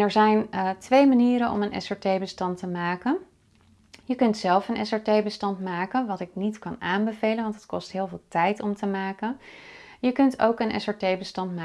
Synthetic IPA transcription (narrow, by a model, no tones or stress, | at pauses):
ɛɹzɛjntʋejmaniːɾənʔɔ̰mənɛ̰sɛɹtejbəstɑntəmaːkən | jəkɵntsɛlˠfənʔɛsɛɹtejbəstɑntmaːkənʋɑtɪk̚nitkɑnaːmbəvejlənʋɑntətkɔstɦɪːlˠvɪːlˠtɛjtɔmtəmaːkənjəkɵnto̰wkənʔɛ̰sɛɹtejbəstɑntmaː